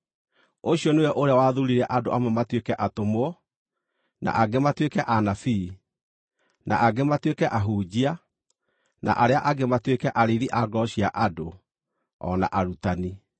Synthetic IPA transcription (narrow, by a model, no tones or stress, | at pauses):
oɕiɔnewɛʔoɾeawaðuɾiɾɛʔadoʔamɛmatwekɛʔatomoɔ | na̰ʔaɡematwekɛʔanafiː | na̰ʔaɡematwekɛʔaɦuːd͡ʑia | na̰ʔaɾeaʔaɡematwekɛʔaɾeɾiʔaɡɔɕiaʔado | ɔ̰na̰ʔaɾutani